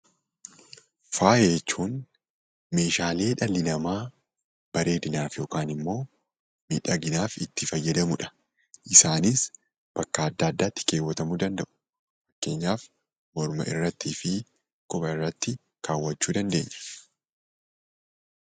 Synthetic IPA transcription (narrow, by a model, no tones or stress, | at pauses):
faːjeːt͡ʃːuːn | me̞ːʃaːle̞ːᶑɐlːɪnɐmaː | b̥ɐɾe̞ːd̪ɪnaːfjo̞ːkaːnɪmːo̞ː | mḭᶑɐɡɪnaːfɪ̰t̪ːɪfɐjːɐd̪ɐmʊᶑɐ̥ | ʔɪsaːnɪs | b̥ɐkːɐːd̪ːaːd̪ːaːt̪ːɪ̥ke̞ːwːɐt̪ɐmuːd̪ɐnd̪ɐʔʊ̥ | fɐkːe̞ːɲːaːf | mɔɾmɐ̰ʔɪ̰rːɐt̪ːiːfɪ | kʊpɐɪrːɐt̪ːɪ | kʰaːwːɐt͡ʃːuːd̪ɐnd̪e̞̰ːɲːɐ̥